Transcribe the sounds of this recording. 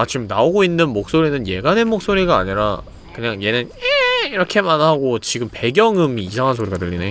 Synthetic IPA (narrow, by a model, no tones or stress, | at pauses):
at͡ɕiɯmnaoɡoinːɯnmok̚s͈oɾinɯnje̞ɡanenmok̚s͈oɾiɡa̰ːɲiɾa̰ | kɯɲaŋje̞nɯneiɾʌkʰe̞manɦaɡot͡ɕiɡɯmpe̞ɡjʌŋɯmiːsʰaŋɦansʰoɾiɡatɯʎːine